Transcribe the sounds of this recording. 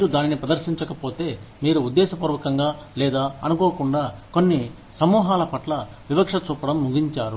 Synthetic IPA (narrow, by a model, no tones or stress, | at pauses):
miːɾud̪aːninipɾɐd̪ɐɾʃiɲt͡ʃɐkɐpo̞ːt̪e̞ːmiːɾuːd̪ːɛːsɐpuːɾʋɐkɐŋɡaːlɛːd̪aːɐnukoːkuɳɖaːkonːi | sɐmuːɦaːlɐpɐʈlɐ | ʋibɐkʂɐt͡ʃuːpɐɽɐmːuɡiɲt͡ʃaːɾu